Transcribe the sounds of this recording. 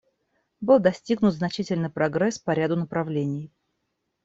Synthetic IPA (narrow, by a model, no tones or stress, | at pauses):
bɨlˠd̪ɐsʲtʲiɡnʊt̪znɐt͡ɕitʲɪlʲnɨjpɾɐɡɾɛspɐɾʲad̪ʊnəpɾɐvlʲenʲɪj